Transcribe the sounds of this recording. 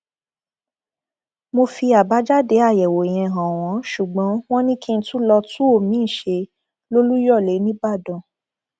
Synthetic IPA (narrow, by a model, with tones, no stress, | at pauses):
mo˧fi˧a˨ba˨˦d͡ʒa˦de˨˦a˦˨jɛ˨wo˨j̃ɛ̃˧ɦã˨w̃ɔ̃˨˦ʃu˨ɡ͡bɔ̃˨˦w̃ɔ̃˦nĩ˦kĩ˦n̩˧˦tũ˦lɔ˧tũ˦o˦˨mĩ˨˦˨ʃe˧ | lo˦lu˦jɔ˦˨le˨˦nĩ˦ba˦˨dɔ̃˨